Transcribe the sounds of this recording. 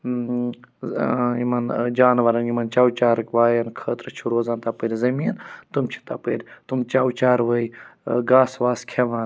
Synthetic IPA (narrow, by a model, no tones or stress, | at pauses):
imɐnd͡ʒaːnʋɐɾɐnimɐnt͡ʃaːwt͡ʃaːɾkʋaːjɐnkʰəːt̪ɾt͡ʃʰuɾoːzaːnt̪apəɾʲzɐmiːnt̪umt͡ʃʰi̥t̪apəɾʲt̪umt͡ʃaːwt͡ʃaːɾʋəiɡaːsʋaːskʰeʋan